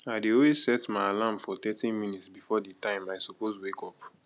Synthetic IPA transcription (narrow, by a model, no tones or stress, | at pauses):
aɪdeowezsɛtmaɪalãmfɔt̪ɛtĩnmĩnitsbifɔditãɪ̃maɪsopostwekɔp